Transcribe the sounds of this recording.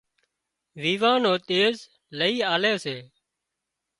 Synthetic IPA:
ʋiːʋãːnoːt̪eːz | ləiːaːleːseː

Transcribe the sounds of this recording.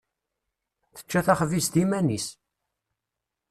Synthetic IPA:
θə̥t͡ʃːæθæχvist̪imænis

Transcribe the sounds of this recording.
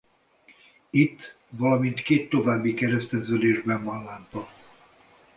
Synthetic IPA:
it̪ː | vɒlɒmint̪keːt̪ːo̞vaːbːikɛɾɛst̪ɛzøleːʒbɛɱvɒnlaːmpɒ

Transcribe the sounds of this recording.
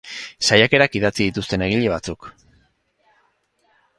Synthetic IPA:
sajake̞ɾakiðat͡siðit̪ust̪e̞ne̞ɣ̞iʎe̞β̞at͡suk

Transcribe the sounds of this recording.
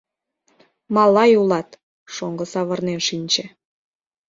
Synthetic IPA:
mɑlɑjulɑt̪ | ʃoŋɡəsɑβə̆rnenʃinʲt͡ɕĕ

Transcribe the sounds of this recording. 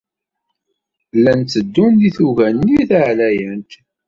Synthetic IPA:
lːænt͡sːəd̪ːund̪iθuʝænːiθaʕlæjənt̪

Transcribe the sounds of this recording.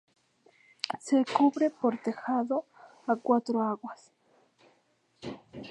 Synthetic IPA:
sekuβɾepoɾt̪exaðo | akwat̪ɾoaɣwas

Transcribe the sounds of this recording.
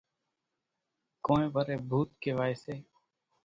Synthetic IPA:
kõːẽːbəɾeːbʱuːt̪keːʋaːeːseː

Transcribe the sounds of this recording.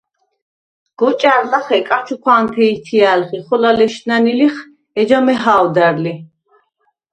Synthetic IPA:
ɡ̥ɔt͡ʃʼaɾlaχɛkʼat͡ʃʰukʰaŋk̪ʰɛit̪ʰialχiχɔlalɛʃnaniliχ | ɛd͡ʒamɛɦawd̪aɾli

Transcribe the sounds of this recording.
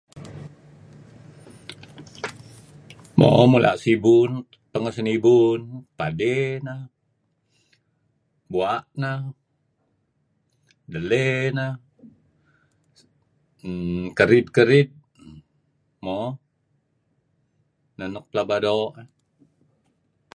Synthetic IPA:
mo̰mulʔa̰ʔsibun | pəŋəsənibunpadena | buaʔna | dəlena | kəɾid̪̚kəɾid̪̚ | mo | nənuk̚plabadoʔ

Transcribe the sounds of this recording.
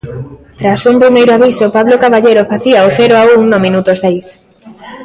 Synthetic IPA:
t̪ɾasumpɾimejɾoaβisopaβlokaβaʎejɾofaθiaoθɛɾoauŋnomĩnut̪ozðejs

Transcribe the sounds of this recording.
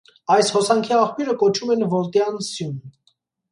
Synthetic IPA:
ɑjshɔsɑŋkʰiɑχpjuɾəkɔt͡ʃʰumɛnvɔɾt̪jɑnsjun

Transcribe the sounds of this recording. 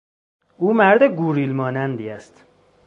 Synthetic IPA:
uːmæɾd̪eɡuːɾiːlmɒːnænd̪iæst̪

